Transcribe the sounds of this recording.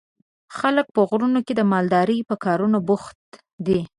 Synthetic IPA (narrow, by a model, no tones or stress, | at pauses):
xalək̚pəɣɾunoked̪əmɑld̪ɑɾəjpəkɑɾunabʊxt̪ | d̪i